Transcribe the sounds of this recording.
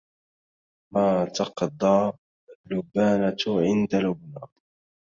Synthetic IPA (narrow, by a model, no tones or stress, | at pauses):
maːt̪ɑqd̪ˤɑː | lːʊbːaːnaʕɪnd̪alʊbnaː